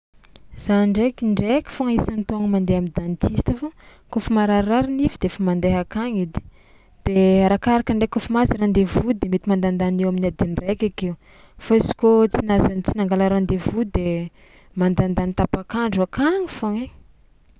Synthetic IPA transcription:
z̥aɳɖ͡ʐekiɳɖ͡ʐekʲi̥foŋaisanit̪oŋəmand̪eamid̪ant̪ʰist̪afo | kufumaɾaaɾinivid̪eefamand̪eɦakaŋid̪i̥ | d̪̥eaɾakaɾakəɳɖ͡ʐekufumaziɾand̪evud̪emet̪imand̪and̪anewaminad̪inirekʲakew | faizi̥kot͡sinazanit͡sinaŋɡalaɾand̪evud̪e | mand̪and̪anit̪apakaɳɖ͡ʐuakaŋifoŋe

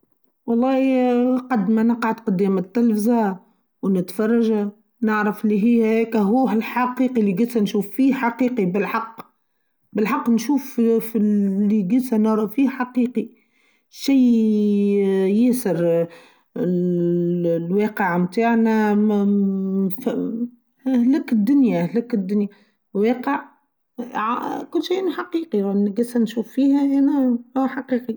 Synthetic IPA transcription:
wɑlˤːɑːhqɑd̪ːmænɑqʕad̪qʊd̪iːmət̪ːɪlfza | wnɪt̪fɑrˤːɑʒa | nɪʕɾəfɪlːiɦiːhɛːkæɦuːɦɪlħaqiːqiliɡɪsænʃuːfːiːhħaqiːqibɪlħɑqː | bɪlħɑqːnʃuːf | lːiɡɪsænɑɾˤɑfiːhħaqiːqi | ʃiː | jɪsəɾ | lwɑːqəʕmt̪aːʕnæ | f | hlækɪd̪ːʊnjæhlækɪd̪ːʊnjæ | weːqəʕ | ʕkʊlːʃijʔnħaqiːqiɾˤuʔnɡæsænʃuːfːiːhæʔænæhuħɑqiːqi

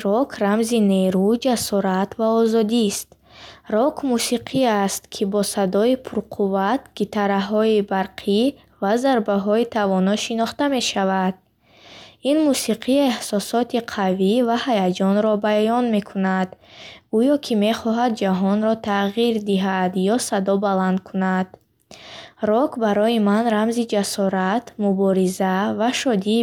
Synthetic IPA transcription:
ɾɔkʰɾamzine̞ɾud͡ʒasɔɾat̪vaɔzɔd̪ist̪ | rɔkʰmusiqʰiast̪kʰibɔsad̪ɔipʰuɾqʰuvat̪ɡ̥it̪ʰaɾaɦɔibaɾqʰi | vazaɾbaɦɔit̪ʰavɔnɔʃinɔχt̪ame̞ʃavad̪̥̚ | inmusiqʰiehsɔsɔt̪ʰiqʰavivahajad͡ʒɔnɾɔbajɔnme̞kʰunad̪ɡujɔkʰime̞χɔɦad̪̚d͡ʒaɦɔnɾɔt̪ʰaʁiɾd̪iɦad̪jɔsad̪ɔbaland̪̚kʰunad̪̥ | ɾɔkbaɾɔjimanɾamzid͡ʒasɔɾat̪mubɔɾizavaʃɔd̪i

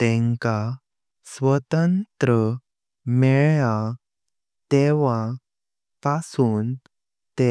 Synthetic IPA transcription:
t̪ɛ̃ŋka | sʋət̪ənt̪ɾə | mɛɭja | t̪ɛʋa | pasuːn | t̪e

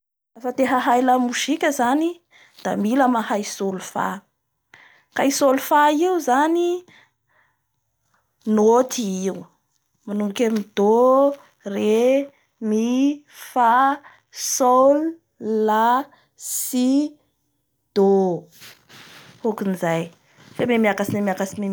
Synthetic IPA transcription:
afət̪eɦaɦajlamuʃikʲəzani | d̪̥a̰miləmahajsolufa̰ | kajisolufaiuzani | not̪ʰiiu | manuŋkʲamid̪o | re | mi | fa | solu | la | si | d̪̥o | okinizaj | fememiakasinemiakasime

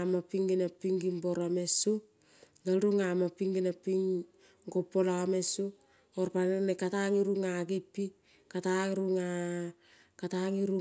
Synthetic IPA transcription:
mapiŋɡinapiŋɡimbo̞ɾame̞su | ɡalɾuŋamapiŋɡinapiŋ | ɡopːolame̞su | oɾpanenekataŋiɾuŋaɡipːi | kataŋɾuŋa | kataŋiɾu

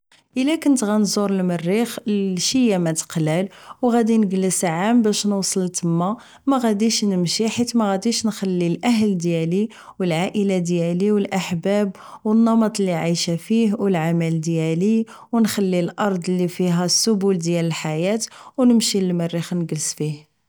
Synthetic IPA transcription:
ʔəlækənt̪ɣænzˤuɾəlmərːixʃəjamæt̪ə̥qlælwɣæd̪inəɡələsʕambæʃnwsˤəlt̪əmːæ | mæɣæd̪iʃnəmʃiħit̪mæɣæd̪iʃnxælːilʔæɦld̪jæli | wəlʕaʔəlad̪jæliwəlʔaħbæb | wənːɑmɑt̪ˤlːiʕijʃæfihwəlʕamæld̪jæli | wnxælːilʔɑɾˤd̪ˤlːifiɦæsːʊbuld̪jæləlħajæt̪wnəmʃiləlmərːixnɡəlsfih

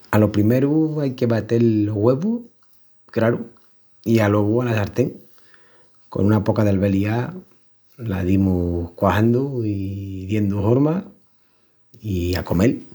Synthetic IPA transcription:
alo̞pɾime̞ɾuajke̞βat̪e̞loɣwe̞βu | kɾaɾu | ialweβualasaɾt̪eŋ | ko̞̰nunapo̞kaðealβe̞lia | la̰ðimuhkwahand̪uiðje̞nd̪uhoɾma | iako̞me̞l

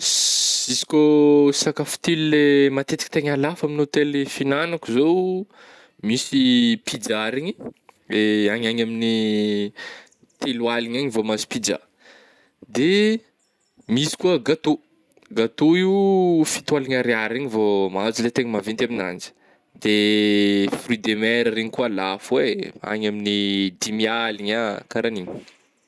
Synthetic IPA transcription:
isi̥kosakafu̥t̪ilulemat̪et̪ikʲit̪eɲalafaminot̪elefinanakuzow | misipid͡ʒaɾiɲi | eaɲaɲamini | t̪elwaliɲaɲivomazi̥pid͡ʒa̰ | d̪e | misi̥kuəɡat̪o | ɡat̪oiwfit̪waliɲaɾiaɾiɲivomazilet̪eɲimavint̪amina̰nd͡ʒi̥ | d̪e | frid̪emɛɾəɾeɲikuəlafwea̰ɲaminidimialiɲakaɾaniɲi̥

